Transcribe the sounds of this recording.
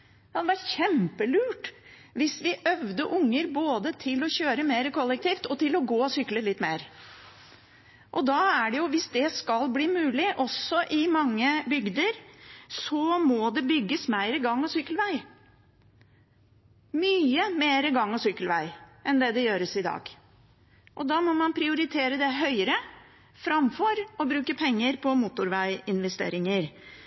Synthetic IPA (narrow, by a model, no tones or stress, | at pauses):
ɑd̪ɛʋæʈçɛmpəlʉːʈ | ʋɪsʋɪʔœʋd̪əʔʊŋːəɾboːd̪ət̪ʰɪlɔɕøːɾəmeːɾəkɔlːɛk̚t̪ʰiːft̪ɔt̪ɪlɔɡoːɔsʏkləlɪt̪ːmeːɾ | ʔɔd̪ɑːæɖɛjʊʋɪsd̪ɛskɑlbliːmʉːlɪʔɔsɔʔɪmɑŋːəbʏɡd̪əɾsɔmɔd̪ɛbʏɡːəsmæɪɾəɡɑŋːɔsʏkːəlʋæɪ | myːəmeːɾəɡɑŋːɔsʏkːəlʋæɪʔɛnd̪ɛd̪ɛjøːɾəsɪd̪ɑ̰ːɡ̥ | ʔɔd̪ɑmɔmɑnpʰɾɪʊɾɪt̪ʰeːɾəd̪ɛɦœʏəɾə | fɾɑmfɔɾɔbɾʉːkəpʰɛŋːəɾpʰɔmuːt̪ʊɾʋæɪɪnʋɛst̪ḛːɾɪŋəɾ